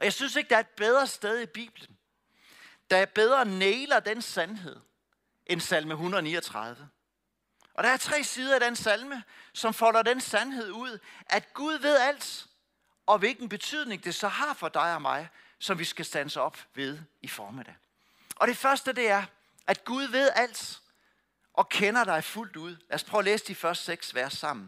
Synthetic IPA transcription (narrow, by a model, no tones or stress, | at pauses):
ɒjɑ̈ɪsynse̝ɡ̥̚d̥ɑɐed̥̚b̥eð̞ˠʁɐsd̥eð̞ˠib̥ḭːb̥lən̩ | d̥ɑ̈b̥eð̞ˠʁɐneːɪlɐd̥ensænɦe̝ð̰ˠ | ʔensælməɦunðˠnḭːɒt͡sʰʁɑð̞ˠʋə | ʔɒ̽ɾ̥ɑ̈æɐt͡sʰʁɛ̰ːsiːð̞ˠɐɾ̥ensælməsɒ̽mfɒ̽l̰ɐdensænɦe̝ð̞̰ˠuð̰ˠʔæd̥ɡ̥uð̞ˠʋe̝ð̞ˠæl̰d̥ | ʔɒ̽ʋe̝lɡ̥n̩b̥e̝t͡sʰyð̰ˠne̝ŋd̥e̝sɒ̽hɑ̈fɒ̽d̥ɑ̈ɪɒ̽mɑ̈ɪ | sɒ̽mʋisɡ̥æsd̥ænsəɒ̽b̥ʋe̝ð̞ˠifɒːmid̥ɛ̰ | ʔɒ̽ɾ̥e̝fɶɐsd̥əd̥e̝æɐ | ʔæd̥ɡ̥uð̞ˠʋe̝ð̞̰ˠæl̰d̥ | ʔɒ̽kʰenɐɾ̥ɑ̈ɪful̰d̥uð̞̰ˠlæɐspʰʁœʊːleːsəd̥ifɶɐsd̥seɡ̥sʋæɐsːɑ̈m̰n̩